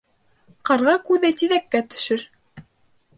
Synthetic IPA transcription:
qɑɾʁɑkʉðɘt̪iðækːæt̪ɵ̥̆ʃɘɾ

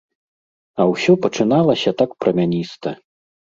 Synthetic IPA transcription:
ɐwsʲɔpɐt͡ʂɨnalˠɐsʲɐt̪akpɾɐmʲanʲist̪ɐ

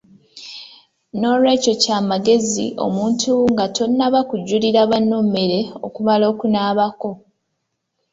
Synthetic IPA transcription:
no̞ɾwe̞ːco̞caːmaɡe̞zḭʔo̞̰muːntʰuŋɡatʰo̞nːaβakuɟːuliɾaβanːoːme̞ɾe̞o̞̰kumalo̞ːkunaːβako̞

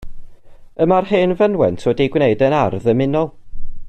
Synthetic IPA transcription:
əmarheːnvənwɛntʰodiɡwneɨdənarðəmɪnɔlˠ

